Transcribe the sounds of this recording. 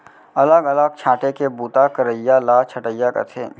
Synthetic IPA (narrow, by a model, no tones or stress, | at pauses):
ɐləɡɐləɡ̚t͡ʃʰaːʈekebuːt̪akəɾəjːalaːt͡ʃʰɐʈəjakḛt̪ʰeː